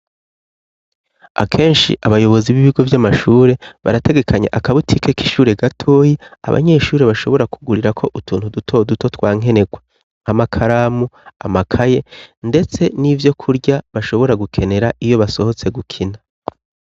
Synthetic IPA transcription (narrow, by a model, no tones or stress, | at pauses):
a̰kʰe̞ːnʃḭʔaβajo̞βo̞ziβiβiɡo̞vjamaʃuːɾe̞βa̰ɾate̞ɡe̞kʰaɲḛʔakaβutʰike̞ki̥ʃuːɾe̞ɡatʰoːjia̰βa̰ɲe̞ʃuːɾe̞βaʃo̞βo̞ɾakuɡuɾiɾakʰo̞ʔutʰuːnhudutʰo̞duto̞twaːŋ̥e̞ne̞ɡwe | amakʰaɾaːmua̰makʰaje̞nde̞t͡se̞nivjo̞kʰuɾɟaβaʃo̞βo̞ɾaɡukʰe̞ne̞ɾaʔijo̞βaso̞ho̞t͡se̞ɡukʰina